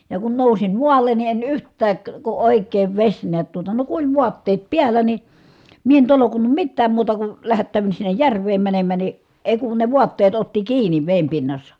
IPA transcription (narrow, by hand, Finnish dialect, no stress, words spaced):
jɑ kun nousim muɑlˑen ni en yhtˑæːk ku oˑikˑeːʋ ʋesʲ niæt tuotɑ no ku olʲ ʋuɑtːeːt piælːæ ni mie en tolokunːum mitːæːm muːtɑ ku læhætːæˑy̞ʋyn sinːej jærʋˑeːm mænemːæ ni eˑi̯ kun ne ʋuɑtːeːt otːi kiːnˑi ʋeˑim pinːɑsːɑ